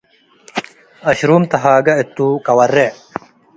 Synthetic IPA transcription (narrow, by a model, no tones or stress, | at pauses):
ɐɕɾuːmt̪ɐɦaːɡɐet̪ːuːkɐwɐrːe